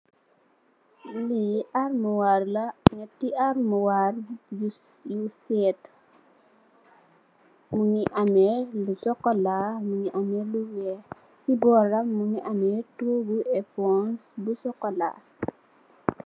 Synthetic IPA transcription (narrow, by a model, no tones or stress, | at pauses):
liarmuwarlɐŋɛtːiʔaɾmuwaɾ | jusɛt | muŋiʔamɛlusɔkːɔlamuŋiʔamɛluwɛ | sibɔɾɐmːuŋiʔamɛtoɡuɛpɔnsbusɔkːɔla̰